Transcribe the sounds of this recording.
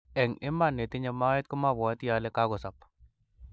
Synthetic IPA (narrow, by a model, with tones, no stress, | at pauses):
ɛ˨ŋɪ˦ma˨nːe˨t̪i˦ɲa˧ma˦e˦t̪̚ko˦ma˦˨βɔ˨˦t̪ja˨lɛ˦ka˦ɣɔ˨sa˨p